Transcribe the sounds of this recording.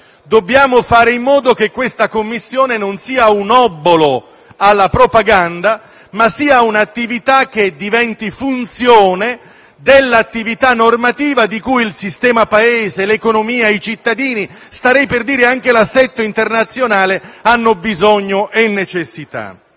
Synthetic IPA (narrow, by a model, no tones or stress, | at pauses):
d̪obːjaːmofaːɾeimːɔːd̪ok̟ekːwest̪akomːisːjoːnenonsiːaunɔbːolo | alːapɾopaɡand̪a | masiːaunat̪ːivit̪ak̟ːed̪ivɛnt̪ifunt̪sjɔːne | d̪elːat̪ːivit̪anːormat̪iːvad̪ikujilsist̪ɛːmapaeːzelekonomiːait͡ʃit̪ːad̪iːnist̪aɾɛjperd̪iːɾeaŋk̟elasːɛt̪ːoint̪ernat̪sːjonaːleanːobizɔɲːoʔenːet͡ʃesːit̪a̰